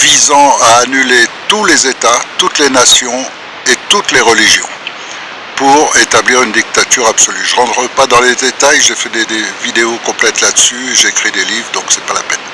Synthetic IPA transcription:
vizɑ̃aːnylet̪ulezet̪at̪ut̪lenasjɔ̃ | et̪ut̪leʁəliʒjɔ̰̃ | puʁet̪abliʁynd̪ik̚t̪at̪yʁabsɔlyʒəʁɑ̃d̪ʁəpad̪ɑ̃led̪et̪ajʒefɛd̪ed̪evid̪eokɔ̃plɛt̪lad̪əsyʒeːkχid̪elivʁd̪ɔ̃ksɛpalapɛn

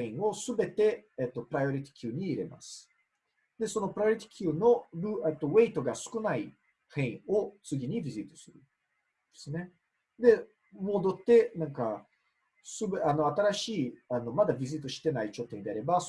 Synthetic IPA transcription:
ẽɰ̃o̞sɨbe̞t̪e̞ːt̪ːo̞pɯɾajo̞ɾʲit̪ʲi̥kʲʰɨːɲ̟iːɾe̞ma̰sɨ̥ | d̪̥e̞so̞no̞pɾajoɾit̪ʲi̥kʲʰɨːno̞ɾɯ̟et̪ːo̞βe̞it̪o̞ɡasɨ̥kɯ̟nai | hẽ̞ɰ̃o̞t͡sɨɡʲiɲ̟ibʲizit̪ːosɨɾɯ̟ | d̪̥e̥sɨne̞ | d̪e̞ | mo̞d̪o̞t̪ːe̞nãŋka | sɨbeano̞at̪aɾaɕiːano̞mad̪abʲizit̪ːoɕi̥t̪e̞nait͡ɕo̞t̪ːoɲd̪eaɾe̞bas

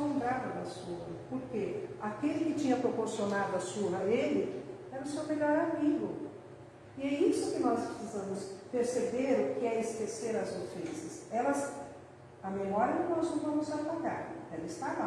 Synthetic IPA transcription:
õd̪ɾad̪ɐd̪ɐsuɦɐpoɾkeakelɪkɪt͡ʃĩɲɐpɾopoɾsionad̪ʊɐsuɦɐelɪ | ɛnʊsewmeʎɔɾamiɡʊ | iɛisʊkɪnɔspɾesizɐ̃mʊspeɾsebeɾʊkɪɛeskeseɾɐzofẽsɐsɛlɐz | ɐmemɔɾɐkɪnɔznɐ̃w̃vɐ̃mʊzalaɡ̪aɾɛlɪɪst̪ala

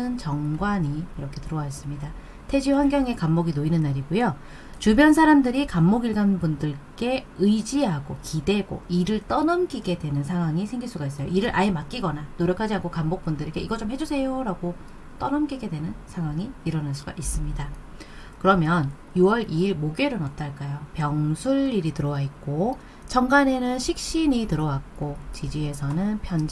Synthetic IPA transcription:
ɯnt͡ɕʌŋɡwaɲiːɾʌkʰe̞tɯɾʌwais͈ɯmɲida | tʰe̞d͡ʑiɸwanɡjʌŋe̞kamːoɡinoinɯnːaɾiɡujo | t͡ɕubjʌnsʰaɾamdɯɾikamːoɡiɭɡanbundɯɭk͈e̞ɯd͡ʑiɦaɡokide̞ɡo̰iɾɯɭt͈ʌnʌmk͈iɡe̞dwe̞nɯnsʰaŋɦwaŋisʰe̞ŋɡiɭs͈uɡais̬͈ʌjo̰iɾɯɾʔa̰emak͈iɡʌnanoɾjʌkʰad͡ʑiankʰokambok̚p͈undɯɾeɡe̞iɡʌt͡ɕ͈omhe̞d͡ʑusʰe̞joɾaɡo | t͈ʌnʌmk͈iɡe̞dwe̞nɯnsʰaŋɦwaŋiːɾʌnaɭs͈uɡa̰ʔis͈ɯmɲida | kɯɾʌmjʌn | juwʌɾiiɭmoɡeɾɯnʌt̚t͈aɭk͈ajopjʌŋsʰuɭːiɾitɯɾʌwaik̚k͈o | t͡ɕʌŋɡane̞nɯnɕʰik̚ɕ͈iɲitɯɾʌwak̚k͈ot͡ɕid͡ʑie̞sʰʌnɯnpʰjʌn

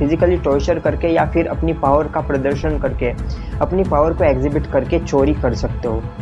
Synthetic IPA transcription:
fʰɪzɪkəliʈoːt͡ʃəɾkɐɾkejafɪɾɐ̰pnipaːʋəɾkapɾɐd̪əɾʃənkɐɾke | ɐpnipaːʋəɾkoeːkzɪbɪʈkɐɾket͡ʃoːɾikɐɾsɐk̚t̪eɦoː

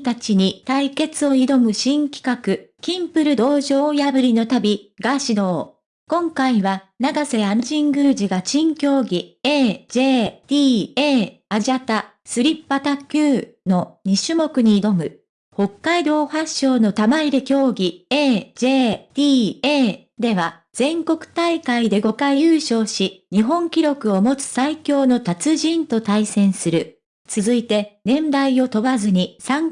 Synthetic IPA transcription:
t̪at͡ɕiɲ̟it̪aike̞t͡sɨo̞id̪o̞mɯ̟ɕĩŋkʲi̥kakɯ̟kʲĩmpɯ̟ɾɯ̟d̪o̞ːʑo̞ːjabɯ̟ɾʲino̞t̪abʲiɡaɕid̪o̞ː | kõ̞ŋkaiβa | naɡase̞anʑĩŋɡɯ̟ːʑiɡaɕĩŋkʲo̞ːɡʲieːʑ̥e̞ːt̪ʲiːeːaʑiat̪a | sɨɾʲipːat̪akʲɯː | no̞ɲ̟iɕɨmo̞kɯ̟ɲ̟iːd̪o̞mɯ̟ | ho̞kːaid̪o̞ːhaɕːo̞ːno̞t̪amaiɾe̞kʲo̞ːɡʲieːʑ̥eːt̪ʲiːeː | d̪e̞βa | z̥ẽ̞ŋko̞kɯ̟̥t̪aikaid̪e̞ɡo̞kaijɯːɕo̞ːɕiɲ̟iɦõ̞ŋkʲiɾʲo̞kɯ̟o̞mo̞t͡sɨ̥saikʲo̞ːno̞t̪at͡sɨʑĩnt̪o̞t̪aisẽ̞ɰ̃sɨɾɯ̟ | t͡sɨzɨit̪e̞nẽ̞mbaio̞t̪o̞βazɨɲ̟isãŋ

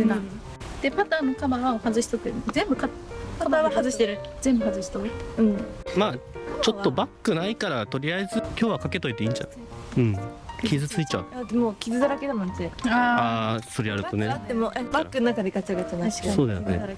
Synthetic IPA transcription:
ena | d̪̥e̞pat̪aːnːokabaβaohazɨɕi̥t̪ot̪ːezẽ̞mbɯ̟ka | kat̪aβahazɨɕi̥t̪eɾɯz̥ẽ̞mbɯ̟hazɨɕi̥t̪oɯ̟̃ɴmaːt͡ɕo̞t̪ːo̞bakːɯ̟naikaɾat̪o̞ɾʲiaezɨkʲo̞ːβakake̞t̪o̞it̪e̞ĩːɲd͡ʑa̰ | ɯ̟̃ɴkʲʰizɨt͡sɨit͡ɕa̰ɯamoːkʲizɨd̪aɾaked̪anãnt̪eaaso̞ɾejaɾɯt̪onet̪emoʔabakːɯnonakad̪ekat͡ɕiaɡat͡sɨnaaɕi̥kasoːd̪esonḛ

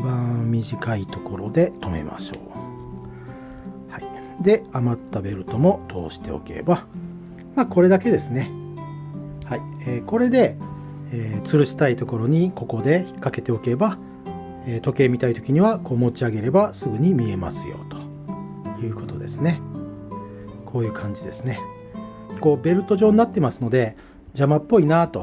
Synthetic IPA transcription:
ibãmʲiʑikait̪o̞ko̞ɾo̞d̪e̞t̪o̞me̞̰ma̰ɕo̰ː | hai | d̪e̞amat̪ːabe̞ɾɯ̟t̪o̞mo̞t̪ʰo̞̰ːɕi̥t̪e̞̰o̞̰ke̞̰ba | maːko̞ɾe̞d̪ake̞d̪e̞sɨne̞ | haieːko̞ɾe̞d̪e̞ | eːt͡sɨɾɯ̟ɕi̥t̪ait̪o̞ko̞ɾo̞ɲ̟iko̞ko̞d̪e̞çi̥kːake̞t̪e̞o̞keba | eːt̪o̞ke̞ːmʲit̪ait̪o̞̥kʲiɲ̟iβako̞ːmo̞t͡ɕiaɡe̞ɾe̞basɨɡɯ̟ɲ̟imʲie̞ma̰sɨjo̞̰t̪o̥ | jɯ̟ːko̞t̪od̪e̞̰sɨne̞ | kʰo̞ːjɯ̟ːkʰãɲ̟d͡ʑid̪e̞̰sɨne̞ | ko̞ːbe̞ɾɯ̟t̪o̞ʑo̞ːɲ̟inat̪ːemasɨno̞d̪e̞ | d͡ʑamapːo̞inat̪o̞

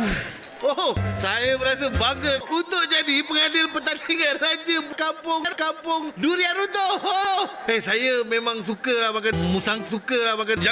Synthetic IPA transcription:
ohsajəbəɾasəbaɡəunt̪ʊʔ̚d͡ʒadipəŋadɪlpət̪aniŋanrad͡ʒəmkampʊŋnkampʊŋduɾiaɾut̪oo | ehsajəmẽmãŋs̬ukəlaɦbakanmusaŋsukəlabakand͡ʒa

